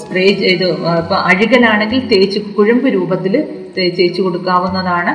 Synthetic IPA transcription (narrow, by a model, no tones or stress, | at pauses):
spreːd͡ʑiðɨipːɐʔɐɻiɣɐlaːɳe̞ŋɡilt̪e̞ːt͡ɕːukuɻɐmbɨɾuːbɐt̪ːil | et͡ɕ̪e̞ːt͡ɕːuko̞ɽukːaːʋunːɐðaːɳɨ